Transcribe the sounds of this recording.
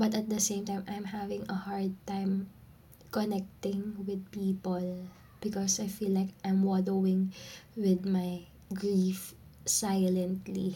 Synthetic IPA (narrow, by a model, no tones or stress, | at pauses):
bɐt̪ɐt̪̚d̪ɐsẽɪ̃mt̪ãjmʔajmhavɪ̃ŋɐhaɹd̪̚t̪ãɪm | kɔnɛk̚t̪ɪ̃ŋwɪd̪̚piːpɔl | b̥ɪkɔsajfilːajkʔajmwɔdowɪ̃ŋwɪd̪̚maj | ɡɹif | sajlɛ̃nt̪li